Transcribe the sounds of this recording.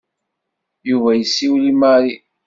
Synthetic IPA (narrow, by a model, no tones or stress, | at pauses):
juvæjəsːiwlimaɾi